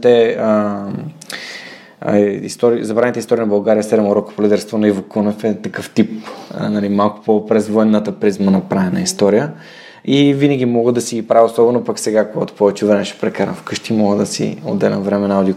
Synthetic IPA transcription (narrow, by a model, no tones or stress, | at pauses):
t̪ɛ | ḭst̪ɔɾizɐbɾanit̪əist̪ɔɾiənɐbɐlˠɡaɾijəsɛɾɛmoɾɔko̥polid̪ɛɾst̪vonɐivokonofɛt̪ɐkɤft̪ipnɐlimalˠkʊ̥popɾɛzvɔɛnːət̪əpɾizmənɐpɾavɛnəist̪ɔɾijə | ivinəɡʲimɔɡəd̪ɐsiɡʲipɾavʲiosɔbɛnopɐksɛɡakoɡat̪o̥pɔvɛt͡ʃɛvɾɛmɛʃɛ̥pɾɛkaɾə̰fkɤʃt̪imɔɡəd̪ɐsḭo̰d̪ːɛlɛ̰nvɾɛmɛnaʊd̪i